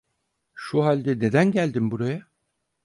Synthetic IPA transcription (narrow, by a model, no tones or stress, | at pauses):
ʃuɦalʲd̪ɛne̞d̪ænɟælʲd̪imbuɾaja